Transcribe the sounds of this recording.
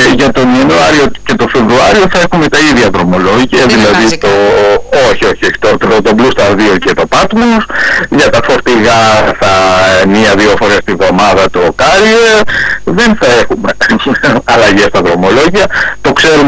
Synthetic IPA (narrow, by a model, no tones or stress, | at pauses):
ʝɐt̪o̞niɐnuɐɾio̞ce̞t̪ofe̞vɾuɐɾio̞θɐe̞xume̞t̪ɐiðʝɐðɾo̞mo̞lo̞ʝiɐðilɐðit̪ooçio̞çio̞çi̥t̪oɾt̪eɾot̪oblust̪ɐɾðio̞cet̪o̞pɐt̪mosʝɐt̪ɐfo̞ɾt̪iɣɐθɐmiɐðiofo̞ɾe̞st̪ivðo̞mɐðɐt̪okɐɾieðenθɐe̞xume̞ | ɐlɐʝest̪ɐðɾo̞mo̞lo̞ʝiɐt̪o̞kse̞ɾum